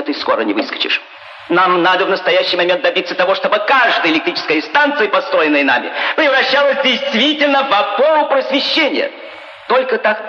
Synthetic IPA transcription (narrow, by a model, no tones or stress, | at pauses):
t̪ɨskoɾənʲɪvɨskə̥t͡ɕɪ̰ʂ | namnad̪əvnəst̪ɐjæɕːɪjmɐmʲent̪d̪ɐbʲit̪sət̪ɐvo̞ʂt̪o̞bɨkaʐd̪ɨjɪlʲɪkt̪ɾʲit͡ʃɪskəjɪnst̪ant̪sɨjɪpɐst̪ɾo̞jɪnːɨjəna̰mʲɪ̰pɾʲɪvɾɐɕːalˠəsʲdʲɪjst̪vʲitʲɪlʲnəvɐpoɾʊpɾəsvʲɪɕːenʲɪ̰jə̰ | t̪o̞lʲkət̪ak